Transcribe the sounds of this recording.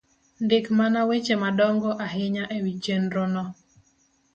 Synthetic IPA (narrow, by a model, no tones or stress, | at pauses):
ndɪkmanawet͡ʃemadɔŋɡɔʔaɦɪɲaʔewit͡ʃenɾɔnɔ